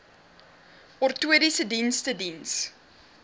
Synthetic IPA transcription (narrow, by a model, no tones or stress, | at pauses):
ɔrtuəɾisədinstədins